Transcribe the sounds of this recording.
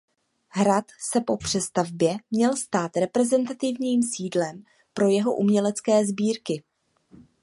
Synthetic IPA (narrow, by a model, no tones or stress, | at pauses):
ɦɾat̪sɛpo̞pr̝̥ɛst̪avbjɛmɲɛlst̪aːt̪ɾɛpɾɛzɛnt̪at̪ɪvɲiːmsiːdlɛm | pɾo̞jɛɦo̞ʔumɲɛlɛt͡skɛːzbiːɾkɪ